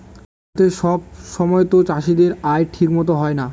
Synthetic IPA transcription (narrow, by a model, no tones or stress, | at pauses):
t̪eʃɔb̚ʃɔmɔet̪ot͡ɕaʃid̪eɾaeʈʰikmɔt̪oɦɔena